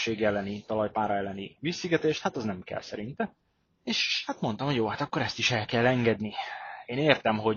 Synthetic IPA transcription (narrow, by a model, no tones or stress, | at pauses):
eːɡjɛlːɛnit̪ɒlɒjpaːɾɒɛlːɛniʋisiɡɛt̪eːʃt̪hat̪ɒznɛmkɛ̰lsɛɾint̪ɛ | eːʃhat̪mo̞nt̪ɒmhoɟjoːhat̪ɒkːo̞ɾɛst̪iʃɛlkɛlːɛŋɡɛd̪nieːneːrt̪ɛmɦo̞